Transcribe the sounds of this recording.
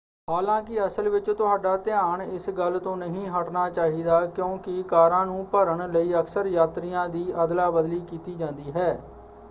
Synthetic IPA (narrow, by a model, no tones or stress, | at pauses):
haːlãːk̬ɪəsəlʋɪt͡ʃt̪ʊɦaːɖaːt̪ɪaːɳɪsɡəlt̪õːnəɦĩːɦəʈnaːt͡ʃaːɦiːd̪aːkjõːkɪkaːɾãːnũːpəɾəɳləiːəksəɾjaːt̪ɾijãːd̪iːʔəd̪laːbəd̪liːkiːt̪iːd͡ʒãːnd̪iːɦɛː